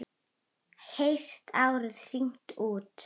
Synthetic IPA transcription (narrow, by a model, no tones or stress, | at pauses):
hejr̥t̪ʰawɾðr̥iŋ̥t̪ʰuːt̪